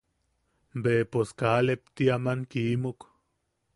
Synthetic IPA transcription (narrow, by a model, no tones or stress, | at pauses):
mbeposkalep̚t̪iamaŋkimuk